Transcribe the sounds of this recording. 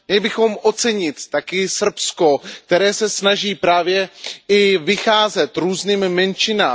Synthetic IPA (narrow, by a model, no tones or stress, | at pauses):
mɲɛlɪbɪxo̞mʔo̞t͡sɛɲɪt̪ːakɪsr̩psko̞kk̚t̪ɛɾɛːsɛsnaʒiːpɾaːvjɛɪvɪxaːzɛt̪ɾuːzniːmːɛnt͡ʃɪnaː